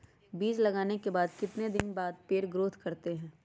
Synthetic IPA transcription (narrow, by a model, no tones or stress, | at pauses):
biːd͡ʒlɐɡaːnekebaːd̪kɪt̪ned̪ɪnbaːd̪̚peːɾɡɾoːt̪ʰkɐɾt̪eɦɛ̃ː